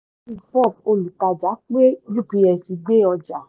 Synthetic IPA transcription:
i˦˧˨fɔ˦˨fo˧˨lu˨ta˧d͡ʒa˨˦k͡pe˦d͡ʒu˦˨pi˧ɛ˧si˨˧ɡ͡be˦ɔ˧d͡ʒa˨

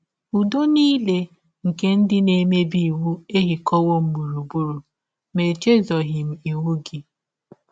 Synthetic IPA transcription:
u˨do˦niː˦le˦ | ŋ̩˨ke˦n̩˦dɪ˦ne˦˨˦me˦bi˦i˨wu˦e˦ɦi˨kʰɔ˦wo˦m̩˦bu˨ɾu˨bu˦ɾu˨ | me˨t͡ʃe˦zɔ˨ɦɪ˨m̩˨i˨wu˦ɡɪ˨

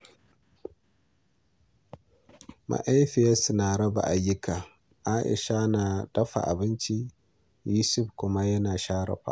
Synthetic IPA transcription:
mʔa̰˨ʔa˦jɸɪ˨a˦sɪ˨naː˨ɽɐ˦ba̰˨ʔa˨jːʊ˦kaː˨ | ʔa˦ʔɪ̰˨ʃa˦naː˨dɐ˦ɸa̰˨ʔa̰˨bɪ˦nt͡ʃi˦ | juː˦sʊ˦ɸkʷʊ˦ma˦jɐ˦naː˨ʃaː˦ɽɐ̰˨ɸa̰ː˨

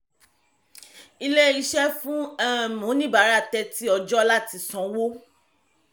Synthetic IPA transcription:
i˧le˦i˧ʃɛ˦fũ˦a˦˨mũ˨˦nĩ˦ba˨˦ɾa˦˨tɛ˧ti˦ɔ˧d͡ʒɔ˦la˦ti˧sɔ̃˧˦wo˦

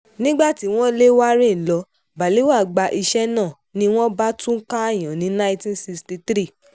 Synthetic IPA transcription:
nĩ˦ɡ͡ba˦˨ti˨˦w̃ɔ̃˦le˦wa˦ɾĩ˦˨lɔ˨˧˦ | ba˨le˨˦wa˦˨ɡ͡ba˧ʔi˧ʃɛ˦nãː˦˨ | nĩ˧w̃ɔ̃˦ba˦tũ˦ka˦a˦˨j̃ã˨nĩ˨˦nã˦ĩ˦tĩ˦n˦si˧ksti˧t̪ɾi˦˨

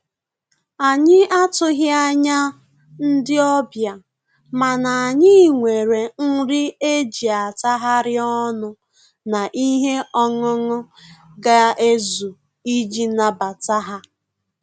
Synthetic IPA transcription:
a˨ɲɪ˦ʔa˦tʊ˦ɦja˦ɲa˦ | n̩˦dɪ˦ɔ˦bja˨ | ma˨na˨ɲɪ˦˨ŋʷe˨ɾe˨ŋ̩˦ɾɪ˦e˦d͡ʒi˨a˨ta˦ɦa˦ɾɪ˦ɔ˦nʊ˦ | na˨ʔi˦ɦe˦ʔɔ˦ŋʊ˦ŋʊ˦ɡa˦e˦zu˨ | i˦d͡ʒi˦na˨ba˨ta˦ɦa˦

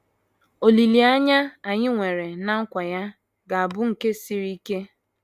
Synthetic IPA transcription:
o˨li˨li˨a˦ɲa˦a˨ɲɪ˦ŋʷe˨ɾe˨na˦ŋ̩˦kʷa˨ja˦ | ɡa˨a˨bʊ˦ŋ̩˨ke˦si˦ɾi˦ke˦

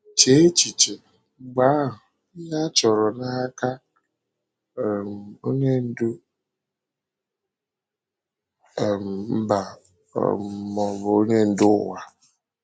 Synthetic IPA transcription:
t͡ʃe˦e˦t͡ʃi˨t͡ʃe˨ | ɡ͡ba˦ɦʊ˨˦ | ɲa˦t͡ʃɔ˨ɾɔ˨na˦ka˦˨ | m̩˨o˦ɲe˦n̩˦du˦˨ | m̩˨m̩˦ba̰˨ | mɔ˨bʊ˨o˦ɲe˦n̩˦dʊ˦wa˨

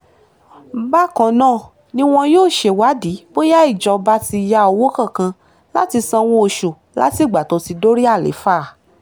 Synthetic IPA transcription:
ba˦kɔ̃˨nãː˦˨ | nĩ˧w̃ɔ̃˧joː˦˨ʃe˧wa˨˦di˨˦bo˦ja˦i˦˨d͡ʒɔ˧ba˧˦ti˧ja˦o˧wo˦kã˦˨kã˧ | la˦ti˧sã˧w̃õ˦o˧ʃu˨ | la̰˦ti˦˨ɡ͡ba˨to˧˦si˧do˦ɾi˦a˦˨lḛ˨˦faː˦˨

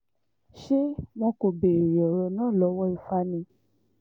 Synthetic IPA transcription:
ʃe˦w̃ɔ̃˧˦ko˧be˨jɔ˨ɾɔ˧nãː˦˨lɔ˨˦wɔ˦i˧fa˧nĩ˧˦

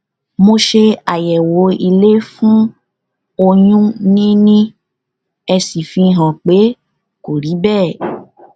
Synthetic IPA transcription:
mo˧ʃe˧a˨jɛ˨wo˨˦i˧le˦fũ˦ | o˧jũ˦nĩ˦nĩ˦ | ɛ˧si˨fĩ˧˦ɦã˨k͡pe˨˦ | ko˨ɾi˨˦bɛː˦˨

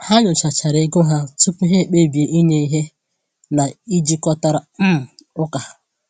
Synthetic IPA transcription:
ha˦ɲʊ˨t͡ʃa˨t͡ʃa˨ɾɪ˦ɡʊ˦ɦa˦tu˦pʊ˦ɦe˦˨k͡pe˦bi˨e˨ʔi˦ɲe˦i˦ɦe˦ | na˨i˦d͡ʒi˦kɔ˦ta˦ɾa˨m̩˦m̩˨ʊ˦ka˨

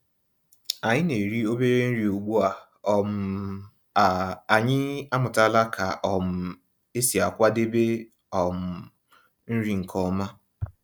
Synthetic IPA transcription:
a˨ɲɪ˦ne˨ɾi˦o˦be˦ɾe˦n̩˦ɾi˨o˨ɡ͡bo˦a˨ | m̩˦˨ | a˨ɲɪ˦a˦mʊ˨ta˦la˦kʰa˨ʔɔ˨m̩˨ | e˦si˨a˨kʷa˦de˦be˦ | ɔ˨m̩˨ | n̩˦ɾi˦ŋ̩˨kʰɔ˦ma˦

